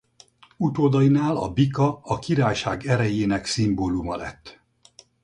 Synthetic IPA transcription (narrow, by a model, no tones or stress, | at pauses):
ut̪oːd̪ɒjinaːlɒ̰bikɒɒkiɾaːjʃaːɡɛɾɛjeːnɛksimboːlumɒlɛ̰t̪ː